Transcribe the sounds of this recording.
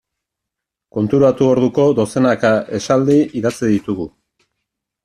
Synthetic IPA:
ko̞nt̪uɾat̪uo̞ɾðuko̞d̪o̞se̞nakaʔe̞sald̪iiðat͡siðit̪uɣu

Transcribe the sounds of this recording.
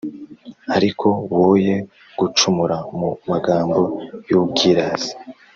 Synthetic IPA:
aɾikʰo̞woːje̞ | ɡ̥ut͡ʃumuɾamumaɡaːmbo̞juːb̚ɡiɾaz̥i̥

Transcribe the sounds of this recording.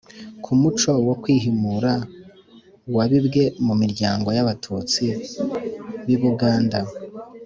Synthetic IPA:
kʰumut͡ʃo̞wokwiːɦimuɾa | waβibɡe̞mumiɾɟaːŋɡo̞jaβatʰuːt͡si | βiβuɡaːnda

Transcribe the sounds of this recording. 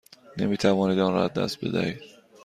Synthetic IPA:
ne̞̰miːt̪ʰævɒːniːd̪ɒnɾɒæzd̪æ̰st̪̚bed̪æ̰hiːd̪̥̚

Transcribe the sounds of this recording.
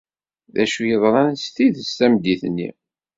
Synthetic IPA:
ðæ̰ʃujəðˤɾɑnst̪iðəst̪æmd̪iθnːḭ

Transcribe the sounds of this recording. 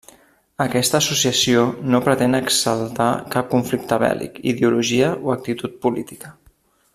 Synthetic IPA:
əkɛst̪əːsusiəsionopɾət̪enəksəlˠt̪akap̚kuɱflik̚t̪əβɛ̰lḭkḭðeuluʒiəʔoək̚t̪it̪ut̪̚pulit̪i̥kə

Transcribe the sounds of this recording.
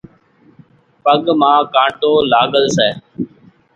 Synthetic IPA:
pəɠmãːkãːʈoːlaːɠəlsɛː

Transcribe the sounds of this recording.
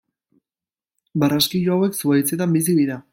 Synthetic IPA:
baraskiʎoawe̞ksuajt͡set̪ambis̬iβiða

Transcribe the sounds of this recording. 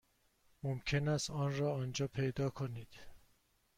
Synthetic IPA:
momcʰenæst̪ɒːnrɒːɒːnd͡ʒɒːpʰe̞jd̪ɒːkʰoniːd̪̥

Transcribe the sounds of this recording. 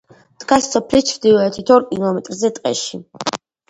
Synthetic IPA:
d̪̥ɡasːɔpʰlit͡ʃʰɾd̪ivɛːt̪ʰit̪ʰɔɾkʼilˠɔmɛt̪ʼɾzɛt̪ʼqʼɛ̰ʃi | d

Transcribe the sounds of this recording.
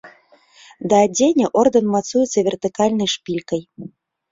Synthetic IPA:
d̪ɐːdʲenʲeʔord̪ənmat̪sujɛt̪t͡s̪ːɐvʲert̪ɨkɑlʲnɨjʂpʲilʲkəj

